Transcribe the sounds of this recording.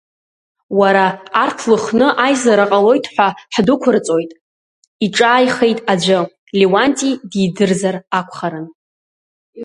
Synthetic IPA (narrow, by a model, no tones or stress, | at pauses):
waɾaːrtʰlɨχnɨʔajzaɾaqʼalo̞jtʰħʷaħdʊkʷʰʊrt͡sʼo̞jtʼ | iʈ͡ʂʼaːjχe̞jtʼad͡ʒʷɨ | liwantʼididɨrzarakʷʰχaɾɨn